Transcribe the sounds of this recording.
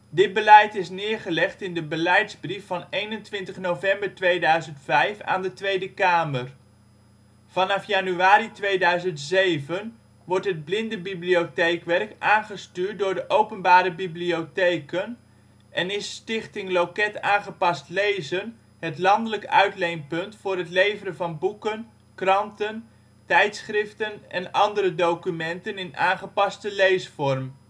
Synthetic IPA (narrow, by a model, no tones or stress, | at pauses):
dɪd̚bəlɛjtɪsnɪːɹχəlɛχtɪndəbəlɛjtzbrifɑnejnəntʋɪntəχnovɛmbəɹtʋejdœɥzəntfɛjfa̰ːndətʋejdəkaːməɹ | vɑnɑfjɑnyaːɾitʋejdœɥzəntzejvən | ʋɔɹtɦəd̚blɪndəbibliotejkʋɛrkʔaːnχəstyːɹt̚dʊːɹdəʔowpənbaːɾəbibliowtejkən | ʔɛnɪsːtɪχtɪŋlowkɛtaːnχəpɑstlejzən | ɦətlɑndələkœ̰ɥtlejnpɵntfʊːrɦətlejvəɾənvɑnbukən | krɑntən | tɛjtsχrɪftənʔɛnɑndəɾədowkymɛntənɪnaːnχəpɑstəlejsfɔrm